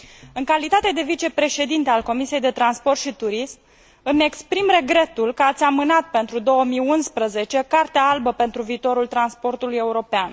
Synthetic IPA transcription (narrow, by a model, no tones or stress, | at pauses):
ɨŋkalit̪at̪e̞d̪e̞vit͡ʃe̞pɾe̞ʃe̞d̪int̪e̞alko̞misijejd̪e̞t̪ɾanspo̞rt̪ʃit̪uɾism | ɨme̞kspɾimre̞ɡɾe̞t̪ulkəat̪sʲamɨnat̪̚pe̞nt̪ɾud̪o̞wəmijunspɾəze̞t͡ʃe̞kart̪eaalbəpe̞nt̪ɾuviːt̪o̞ɾult̪ɾanspo̞rt̪uluje̞uɾo̞pean